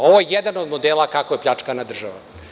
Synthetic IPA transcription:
oʋojejed̪anod̪mo̞d̪eːlˠakakoje̞plʎat͡ʂkanad̪r̩ʒaʋam

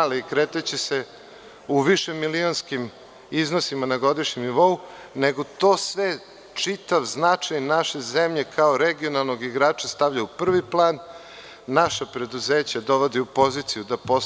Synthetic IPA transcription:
likɾeːt̪at͡ɕese | uʋiʃemilionskim | iznosimanaɡo̞d̪iʃɲemniʋo̞u | neɡot̪o̞ːsʋe | t͡ʂit̪aʋznat͡ʂajnaʃe̞zemʎe̞kʰaoɾeɡio̞nalˠno̞ɡiɡɾaːt͡ʃast̪avʎaupr̩ʋiplˠaːnː | aʃapɾe̞d̪uzeːt͡ɕad̪o̞ʋod̪iupo̞zit̪sijud̪apo

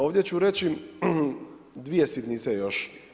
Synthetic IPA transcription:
oːʋd̪ʲjet͡ɕuɾe̞t͡ɕi | d̪ʋijesit̪nisejoʃ

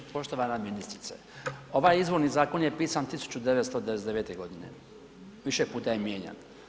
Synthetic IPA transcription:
po̞ʃt̪oʋanaminist̪ɾit̪sḛ | o̞ʋajizʋo̞ɾnizaːko̞njepiːsant̪isu̥t͡ɕud̪eʋest̪od̪eʋed̪eʋet̪e̞ɡo̞d̪ine̞̰ | ʋiʃe̞puːt̪ajemjeːɲa̰n

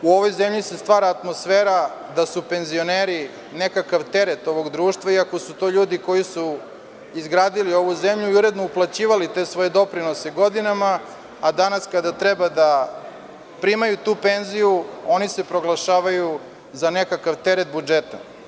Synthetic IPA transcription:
uo̞ʋo̞jzemʎisest̪ʋaːɾaːt̪mo̞sfeːɾad̪asupe̞nzio̞neɾi | ne̞kakaʋt̪e̞ɾet̪o̞ʋo̞ɡd̪ɾuːʃt̪vʋaiako̞sut̪o̞ːʎuːd̪iko̞jisu | izɡɾaːd̪ilio̞ʋuzemʎuiuɾe̞d̪nouplˠat͡ɕiːʋalit̪e̞ːsʋo̞jed̪o̞pɾino̞seɡo̞d̪inamaː | d̪anaskad̪at̪ɾebad̪a | pɾimajut̪uːpe̞nzijuo̞nise̞pɾo̞ɡlˠaʃaːʋaju | zanekakaʋt̪eɾet̪̚bud͡ʒet̪a

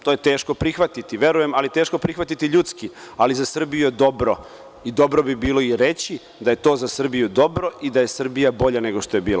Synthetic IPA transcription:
t̪ojet̪e̞ːʃko̞pɾixʋat̪it̪iʋje̞ɾuje̞malit̪e̞ːʃko̞pɾixʋat̪it̪iʎuːt̪skializasr̩bijujed̪o̞bɾo̞ | id̪o̞bɾo̞bibiːlo̞iɾe̞t͡ɕi | d̪ajet̪o̞ːzasr̩bijud̪o̞bɾo̞ʔid̪aje̞sr̩bijabo̞ʎane̞ɡo̞ʃt̪o̞je̞biːla̰

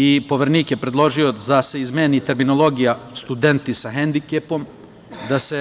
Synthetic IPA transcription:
ipo̞ʋeɾniːkje̞pɾe̞d̪lˠo̞ʒio̞d̪ase̞izmeːnit̪e̞ɾmino̞lˠo̞ɡijast̪ud̪e̞nt̪isaɦend̪ikepo̞m | d̪ase̞

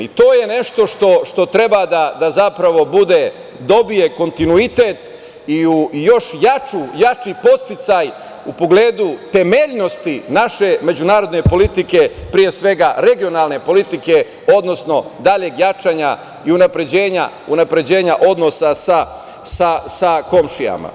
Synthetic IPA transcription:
it̪o̞ːje̞ne̞ʃt̪o̞ʃt̪o̞ʃt̪o̞t̪ɾe̞bad̪ad̪azapɾaʋo̞bud̪e̞ | d̪o̞bije̞ko̞nt̪inuit̪et̪ | iujo̞ʃjat͡ʃujat͡ʃipo̞st̪it̪saj | upo̞ɡle̞ːd̪ut̪e̞meʎno̞st̪inaʃe̞med͡ʑunaːɾo̞d̪ne̞po̞lit̪ike̞pɾije̞sʋe̞ɡaɾe̞ɡio̞nalˠne̞po̞lit̪ike̞ | o̞d̪no̞sno̞d̪aʎeɡjat͡ʃaːɲa | iunapɾe̞d͡ʑe̞ːɲa̰unapɾe̞d͡ʑe̞ːɲaʔo̞d̪no̞sasa | sasako̞mʃija̰ma̰

